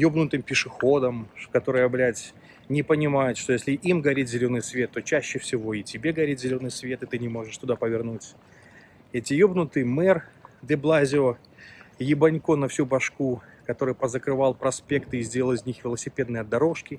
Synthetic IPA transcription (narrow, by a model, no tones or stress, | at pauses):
jobnʊt̪ɨmpʲɪʂɨxo̞d̪əmkɐt̪o̞ɾɨjəɐblʲætʲ | nʲɪpənʲɪmajʊt̪ʂt̪ojesʲlʲɪʔimɡɐɾʲitʲzʲɪlʲo̞nːɨjsvʲe̞t̪ːo̞t͡ɕæɕːɪfsʲɪvo̞ɪtʲɪbʲe̞ɡɐɾʲit̪ʲzʲɪlʲo̞nːɨjsvʲe̞t̪ɨt̪ɨnʲɪmo̞ʐɨʂt̪ʊd̪apəvʲɪrnutʲ | ɛtʲɪjobnʊt̪ɨjmɛrd̪ʲɛblˠazʲɪo | jɪbɐnʲko̞nɐfsʲubɐʂkukɐt̪o̞ɾɨjpəzəkɾɨvɑlˠpɾɐspʲe̞kt̪ɨɪzʲdʲelʲəlˠɨzʲnʲixvʲɪlˠəsʲɪpʲe̞d̪nɨjɐd̪ːɐɾo̞ʂkʲɪ